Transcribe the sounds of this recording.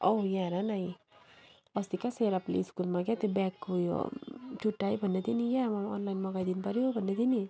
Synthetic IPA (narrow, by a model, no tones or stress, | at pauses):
ojaɾanai | ɔst̪ikaseɾaplḭskulmãɡat̪ebɛkɦujo̰t͡ʃʰuʈːaːibʱənːet̪iniɡamãɔ̰ːnlainmãɡaːd̪inpəɾiobʱənːet̪ini